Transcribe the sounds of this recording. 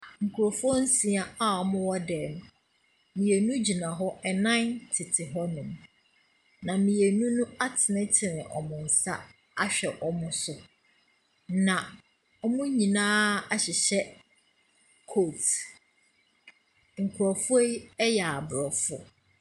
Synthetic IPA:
ŋ̩˨kʰu˨ɾɔ˨fʊ˦ɔ˦n̩˦sĩ˨a˦a˦ɔ˨mʊ̃˦wɔ˦dɛ˨nʊ̃˨ | mĩ˨e˨nũ˦d͡ʑi˨nã˨ɦɔ˦ɛ˨nã˦ntʰɪ˨tʰɪ˨ɦɔ˦nʊ̃˨m | nã˨mĩ˨je˨nũ˦nũ˦a˦tʰɪ˨nɪ̃˦tʰɪ˨nɪ̰̃˨ʔɔ̰˨mʊ̃˨n̩˨sa̰˦ | a˦ɕᶣɛ˨ʔɔ˨mʊ̃˦sʊ˨ | nã˨ | ɔ˦mʊ̃˦ɲĩ˨nãː˦a˨ɕɪ˨ɕɛ˦ | kʰo˦˨t | ŋ̩˨kʰu˨ɾɔ˨fʊ˦e˦ɛ˦jɛ˨a˨bɾɔ˨fɔ̰˦

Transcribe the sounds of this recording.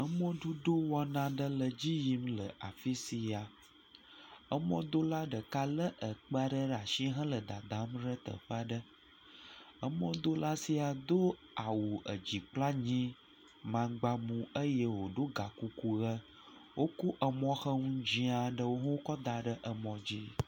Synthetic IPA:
ə˦mɔ̃˦ɖu˦ɖo˦wɔ˦nã˦ɖə˦lə˨d͡ʑi˦ji˦mlə̰˨ʔa̰˨fi˦si˨a˨ | ə˦mɔ̃˦d̪o˦la˦ɖə˨ka˦lə˦ʔə˨k͡pə˦a˦ɖə˦ɖa˨ʃi˦ɦə̃˦lə˨d̪a˨d̪ã˦mɖə˦t̪ə̰˨ɸa˦ɖə˦ | ə˦mɔ̃˦d̪o˦la˦si˨a˨d̪o˦ | a˨wu˨ʔə˨d͡ʑi˨k͡pla˦ɲĩ˦ | mã˨ɡ͡ba˦mũ˨ə˦je˦wo˨ɖo˦ɡa˨ku˦ku˦ɣə˦ | wʔo˦ku˦ʔə˨mɔ̃˦xə˦ŋũ˦d͡ʑĩ˦a˨ɖə˦wo˦ɦwo˦kɔ˦d̪a˨ɖə˦ʔə˨mɔ̃˨d͡ʑi˦

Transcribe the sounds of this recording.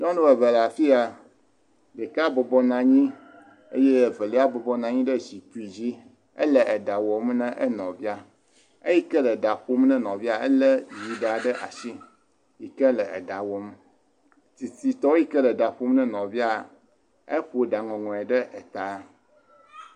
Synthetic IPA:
ɲɔ̃˦nũ˦wə˨və˨la˨fi˦a˨ | ɖə˨ka˦bɔ˨bɔ˦nã˨ɲĩ˦ | ḛ˦je˦˨və˨le˦a˦bɔ˨bɔ˦nã˨ɲĩ˦ɖə˦d͡ʑi˨ku˨i˨d͡ʑi˦ | ə̰˦lə˨ʔɛ˨ɖa˨wɔ˨m˦nɛ̃˦ʔɛ˦nɔ̰̃˨vi˦a˨ | e˦ji˦kə˦lə˨ɖa˨ɸo˦mnɛ̃˦nɔ̃˨vi˦a˨ɛ˦lə˦ju˨ɖa˨ɖə˦ʔa˨ʃi˦ | ji˨kə˦lə˨ḛ˨ɖa˨wɔ˨m | ti˨si˨t̪ɔ˦i˦kə˦lə˨da˨ɸo˦mnɛ̃˦nɔ̃˨vi˦a˨ | e˦ɸo˨ɖa˨ŋɔ̃˨ŋɔ̃˨ɛ˨ɖə˦ʔɛ˨t̪a˨˦

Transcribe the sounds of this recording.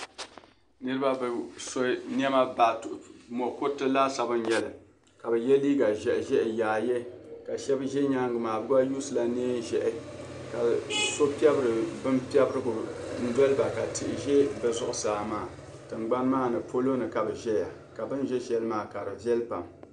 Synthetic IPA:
nɨ˦ɾɨ˦ba˦bso˦n˦ɛ˦ma˦ba˨mɔ˨ko˦tɨ˦la˦sa˨bɨ˦n˦jɛ˦lɨ˨ | ka˨bɛ˨jɛ˦liː˦ɡa˨ʒɛ˨ʔʒɛ˦ʔɪ˨jaː˨jɛ˦ka˨ʃɛ˦bʒɛ˦ɲa˦ŋɡɨ˨maː˨bɨ˦wa˦ju˦sɨ˨la˨neː˦ʒɛ˦ʔɪ˨ka˨so˦pɛ˦bɨ˦ɾɨ˨bɨ˦mpi˦ɛ˦bɨ˦ɾɨ˦ɡʊ˨n̩˦dɔ˦lɨ˦ba˨ka˨tɪ˨ʔɪ˨ʒɛ˦bɨ˨zʊ˨ʔʊ˨saː˨maː˦˨ | tɨ˨ŋɡ͡ba˦nmaː˦nɨ˨pʰo˦lo˦nɨ˨ka˨bɨ˨ʒɛ˦ja˨ | ka˨bɨ˦nʒɛ˦ʃɛ˦lɨ˦maː˦˨ka˨ɾɨ˨ʒɛ˦lpa˨m

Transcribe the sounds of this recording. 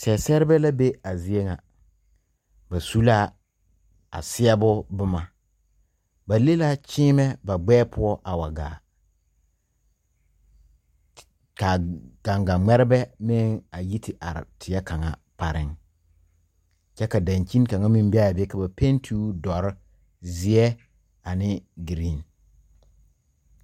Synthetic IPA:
sɛ˨sɛ˦ɾɪ˦bɛ˦la˦be˦a˨zi˨e˦ŋa˨ | ba˨su˦la˦ | a̰˨sɪ˦ɛ˦bʊ˦bʊ˦ma˨ | ba˨le˦la˦t͡ʃɪː˦mɛ˦ba˨ɡ͡bɛː˦pʰʊ˦ɔ˦ʔa˨wa˨ɡa̰ː˨ | ka˨ɡ̥a˨ŋɡa˨ŋ͡mɛ˦ɾɪ˦bɛ˦mɪ˦ŋa˨ji˦tʰɪ˨ʔa˨ɾɪ̰˨tʰɪ˨ɛ˦ka˨ŋa̰˨pa˨ɾɪ̰˦ŋ | t͡ʃɛ˦ka˨da˨ɲt͡ʃi˦n˦ka˨ŋa˦mi˦m˦bɪ˦a˦˨bka˨ba˨pe˦ntʰuː˦dɔ˨ɾɪ˦ | zɪ˨˦ɛ˦ | a˨nɪ˦ɡi˨ɾi˦˨n

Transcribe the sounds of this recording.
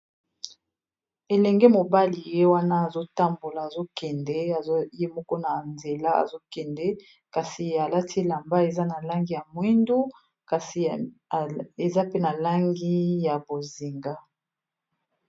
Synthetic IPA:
e˨lɛ˨ŋɡɛ˦mo˨ba˦li˨je˦wa˦na˦a˨zo˦ta˦mbo˨laː˨zo˦kɛ˨ndɛ˦a˨˦je˦mɔ˦kɔ˦na˨nze˨la˦a̰˨zo˦kɛ˨ndɛ˦ | ka˨si˨a˨la˦tʰi˦la˨mba˦e˨za˦na˨la˦ŋɡi˦ja˨mwi˦ndu˦ | ka˨si˨ | e˨za˦pe˦na˨la˦ŋɡi˦ja˨bo˨zi˨ŋɡa˦

